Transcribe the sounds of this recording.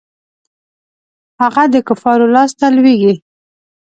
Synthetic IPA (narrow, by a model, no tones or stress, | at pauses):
haɣad̪əkʊfɑɾolɑst̪alweɡi